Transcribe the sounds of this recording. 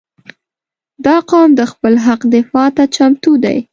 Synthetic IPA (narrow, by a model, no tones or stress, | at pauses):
d̪ɑqɑmd̪əxpəlɦaqd̪ɪfɑt̪at͡ʃamt̪ud̪a̰j